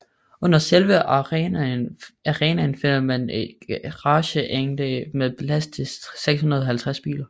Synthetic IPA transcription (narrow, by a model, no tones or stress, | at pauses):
ɔ̽n̰ɐselʋə | næʁɛːnænfe̝n̰ɐmæned̥ɡ̥ʁɑ̈ːɕəʔeŋd̥əmeðblæst͡sʰe̝seɡ̥shunɐð̞ˠɦælt͡sʰʁasb̥ḭːlɐ